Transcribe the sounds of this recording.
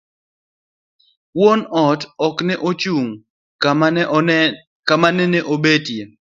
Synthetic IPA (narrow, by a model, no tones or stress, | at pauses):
wonɔtɔknɛʔot͡ʃuŋ | kamanɛneʔobedje